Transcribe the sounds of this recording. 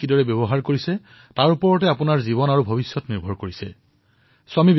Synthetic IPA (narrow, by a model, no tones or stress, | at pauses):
kidɔɹɛbjɔbɔɦaɹkoɹisɛ | taɹupɔɹɔtɛapunaɹzibɔnaɹubʱobisːɔtniɹbʱɔɹkoɹisɛ̰ | sʊamib